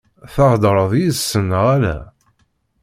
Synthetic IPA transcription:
θɑʁd̪ɾˤəðˤjisːənːəʁælæ̰

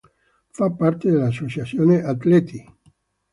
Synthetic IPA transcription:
fapːart̪ed̪elːasːot͡ʃat̪sːjoːneʔat̪lɛt̪ʰi

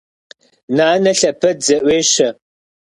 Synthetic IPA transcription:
naːnɐɬɐpʰɐdzɐʔʷeːʃɐ

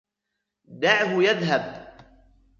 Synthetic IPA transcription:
d̪aʕɦʊjaðɦab

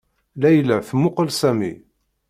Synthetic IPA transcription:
læjlæθmʊqəlsæmḭ

